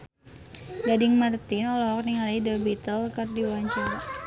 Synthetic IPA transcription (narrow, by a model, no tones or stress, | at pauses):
ɡadɪŋmart̪ɪnɔlɔɔk̚niŋaliidəbit̪əlkərdiwaɲt͡ʃaɾ